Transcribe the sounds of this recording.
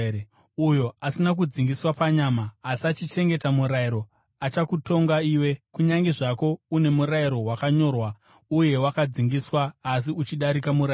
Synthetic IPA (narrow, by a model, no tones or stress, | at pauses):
ujo̞asinak̬ud͡ziŋɡiswapaɲamaːsiat͡ʃit͡ʃe̞ŋɡe̞tamuɾaiɾo̞ | at͡ʃakuto̞ŋɡaiːwe̞kuɲaŋɡe̞ʐako̞une̞muɾaiɾo̞ɦwakaɲo̞rwa | uje̞wakad͡ziŋɡiswaːs̬iut͡ʃiɗaɾikamuɾa